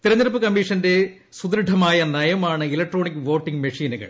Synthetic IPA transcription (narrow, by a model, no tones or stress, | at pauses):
t̪iɾɐɲːɐɾɐpːɨkɐmːiʂɐnde̞ | sud̪ɾɨɖʰʱɐmaːjɐnɐjɐmaːɳɨilɐk̚ʈro̞ːɳikːɨʋo̞ːʈːiŋɡmɐʂiːnuɣɐ̰ɭ